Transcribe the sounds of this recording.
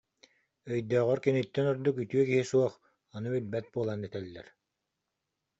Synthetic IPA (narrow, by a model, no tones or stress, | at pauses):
œjd̪œːʁœɾkinit̪ːɛnɔɾd̪ukyt̪yœkiɦisuɔχ | ɔnɯbilbɛt̪̚buɔlˠaːnɛt̪ɛlːɛ̰ɾ